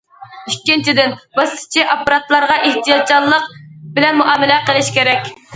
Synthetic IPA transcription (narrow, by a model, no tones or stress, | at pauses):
ykʲːint͡ʃʰid̪ɪnbɑsʰɪ̥t͡ʃʰiʔɑpːɑɾɑt̪lˠɑɾʁɑʔeht̪ijɑd̪̚d͡ʒɑlˠːəqbɪlɛnmuʔɑːmɪlɛqəlˠɪʃkʲʰeɾɛkʲ